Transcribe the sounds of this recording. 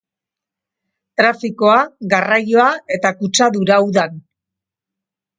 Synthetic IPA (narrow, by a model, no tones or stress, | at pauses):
t̪ɾafiko̞aɣarajo̞ae̞t̪akut͡ʃaðuɾauðan